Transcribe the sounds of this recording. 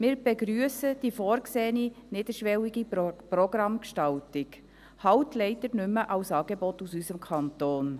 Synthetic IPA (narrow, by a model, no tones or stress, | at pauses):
mɪːɾb̥eɡɾyəsəd̥ifoːɾkseːninɪd̥̪əɾʃʋɛliɡiprɔɡrɑmkʃtɑltɪk | hɑwtlɛɪdəɾnʏmːəʔɑwsɑːɡebɔtusysəmkʰɑnt̪oːn